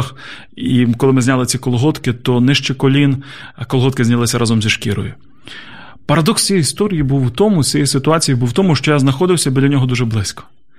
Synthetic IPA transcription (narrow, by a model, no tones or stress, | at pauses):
x | ikɔlˠɪmɪzʲnʲalˠɪt͡sʲikɔlˠɔɦɔt̪kɪt̪ɔnɪʃt͡ʃɪkɔlʲinkɔlˠɦɔt̪̚kɪzʲnʲɐlˠɪsʲɐɾʔɑzɔmzʲiʃkʲiɾɔ̰jʊ | pɐɾɐd̪ɔksʲt͡sʲijist̪ɔɾʲijibuwt̪ɔmʊt͡sʲɛjɛjsɪt̪ʊɑt͡sʲijibuwt̪ɔmʊʃt͡ʃɔjaznɐxɔd̪ɪwsʲɐbɪd̪lʲɐnʲɔɦɔd̪uʒɛblˠɪsʲkɔ̥